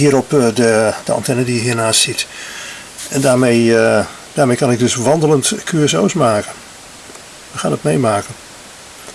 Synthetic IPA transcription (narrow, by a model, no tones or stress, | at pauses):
hiːɾɔpdəd̥əɑ̰ntɛnədijəɦiːnaːstit | ɛndaːmej | d̥aːɹmejkɑnɪɡ̚dɵsʋɑndələntkʰyɛsowsmaːkən | ʋəxaːnətmejmaːkən